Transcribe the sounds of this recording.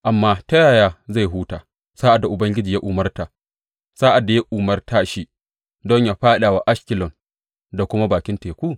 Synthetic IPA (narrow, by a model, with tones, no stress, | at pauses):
ʔa˨mːaː˦ta˦jaː˨jaː˦za˦˨jɦuː˦taː˨ | saː˦ʔa˨dːa˨ʔʊ˨bɐ˦ŋɡʲɪ˦d͡ʒiː˨ja˦ʔʊ˨mɐ˦rta˨ | saː˦ʔa˨dːa˨ja˦ʔuː˨mɐ˦rtaː˦ʃi˦ | dɔ˦ɲja˨ɸaː˦ɗaː˨wa˨ʔa˦ʃkʲɪ˨lɔ˨n | da˨kʷʊ˦ma˦baː˨kʲɪ˦nteː˨kʷu˦˨